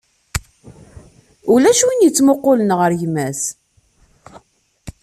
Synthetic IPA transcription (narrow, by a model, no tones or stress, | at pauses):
ulæʃuwinjət͡sːmʊqːʊlənʁəɾʝmæs